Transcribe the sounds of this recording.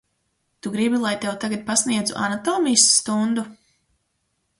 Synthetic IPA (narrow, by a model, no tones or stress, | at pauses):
t̪uɡɾibilˠajt̪ewt̪aɡat̪̚pasniɛd̪zuʔa̰nat̪ɔːmijsːt̪und̪u